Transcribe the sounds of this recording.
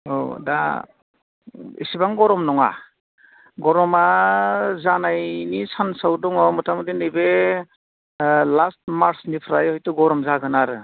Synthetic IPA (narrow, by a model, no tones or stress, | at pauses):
o̰da̰ | ḭsibaŋɡɔɾɔmnɔŋa̰ | ɡɔɾɔma | zanajnisansawdɔŋɔmɯtʰamtinɯjbe | last̚maɾsnipʰɾajɔjtuɡɔɾɔmzaɡɯnaɾɯ